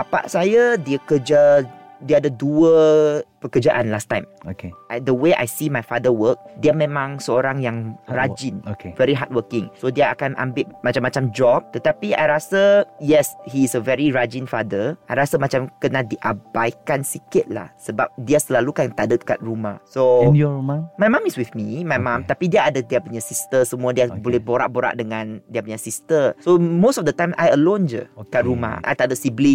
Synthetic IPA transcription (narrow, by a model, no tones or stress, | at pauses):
papa̰ʔsajadiəkəd͡ʒa | diədəduəpəkəd͡ʒaʔãnlast̪ãjmokeʔadəweʔa̰jsimajfadəwək̚diəmɛ̃mãŋsəoɾãŋjaŋɹad͡ʒĩnokevɛɾiɦat̚wəkɪ̃ŋsodiəakanʔã̰mbɪʔ̚mat͡ʃamːat͡ʃamd͡ʒɔb̚t̪ət̪apia̰jɹasəjɛshiːsəvɛɹiɹad͡ʒĩnfadəʔajɾasamat͡ʃamkənadiʔabajkansikɪt̪̚la̰hsəba̰p̚diasəlalukant̪adət̪ka̰t̪̚ɹumahsomamajmãmiswiθmimajmãmt̪apidiaadədiapuɲasist̪əsəmũadiabolɛhboɾa̰ʔ̚boɾa̰ʔ̚dəŋãndiapuɲasist̪əsomosɔfdət̪ãjma̰jəlõnd͡ʒə̰kat̪ɾuma̰ʔa̰jt̪adəsibli